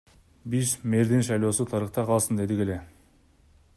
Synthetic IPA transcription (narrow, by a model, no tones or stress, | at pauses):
biʃme̞ɾd̪enʃɑjlˠo̞sut̪ʰɑɾəχt̪ɑqʰɑlˠsɯnd̪e̞d̪ike̞le̞